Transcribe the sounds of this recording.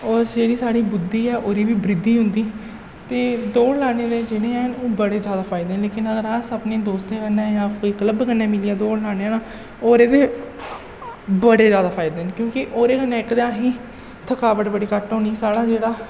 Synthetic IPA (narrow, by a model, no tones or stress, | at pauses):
ɔːɾd͡ʒeːɽiːsaːɽiːbʊd̪iːɛːʔoːɾiːʋiːbɾɪd̪iːɦʊ̃nd̪iː | t̪eːd̪oːlaːɽeːd̪eːd͡ʒeːɽeːɛːɦnoːbəɽeːd͡ʒjaːd̪aːpʰaːɪd̪eɛ̃ːleːkɪnəɡəɾaːsapneːd̪oːst̪ẽːkənːɛ̃ːjãːkoːiːkələbkənːɛ̃ːmɪliːaːd̪oːɽlaːɽeːãːnaː | oːɾeːd̪eː | bəɽeːzjaːd̪aːpʰaːɪd̪eːɦɛnkjõːkɪʔoːɾeːkənːẽːɪkd̪ãːɦĩː | t̪ʰəkaːʋəʈbəɽiːkəʈõːniːsaːɽaːd͡ʒeːɽaː